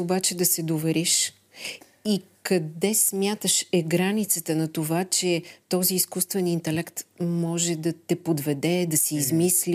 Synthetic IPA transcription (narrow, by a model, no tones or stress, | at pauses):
obat͡ʃɛd̪ɐsɛd̪ovɛɾiʃ | ikɐd̪ɛsmʲjat̪əʃɛɡɾanit̪sət̪ənɐt̪ovat͡ʃɛt̪ɔziːskust̪vɛnint̪ɛlɛkt̪mɔʒɛd̪ɐt̪ɛpod̪vɛd̪ɛd̪ɐsɛizmisli